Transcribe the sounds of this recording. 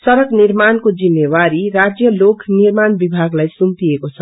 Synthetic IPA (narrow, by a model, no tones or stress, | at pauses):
sʌɾʌɡniɾmankod͡zimːewaɾiɾad͡zjʌlokʰnirmanbibʱaɡlajsumt̪iekot͡sʰʌ